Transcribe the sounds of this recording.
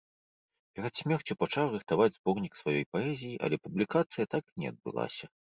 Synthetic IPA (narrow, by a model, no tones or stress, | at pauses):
pʲɛɾɛt̪sʲmʲɛrt͡sʲupat͡ʂawrɨxt̪avad͡zʲzbɔrnʲiksvajɔjpaɛzʲijiʔɐ̰lʲɛpublʲikat̪sɨjɐt̪aknʲɛ̰ɐ̰d̪̚bɨ̰lˠa̰sʲɐ